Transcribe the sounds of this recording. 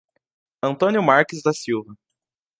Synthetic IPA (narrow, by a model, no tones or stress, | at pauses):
ɐ̃nt̪õnjʊmaɾkɪzd̪ɐsiwvɐ